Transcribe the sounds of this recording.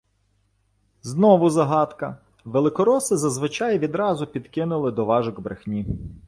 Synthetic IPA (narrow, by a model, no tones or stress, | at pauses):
znɔʋʊzɐɦɑt̪kɐ | ʋelˠɪkɔɾɔsɪzɐzʋɪt͡ʃɑjʋʲid̪ɾɑzʊpʲid̪kɪnʊlˠɪd̪ɔʋɑʒʊɡbɾḛxnʲi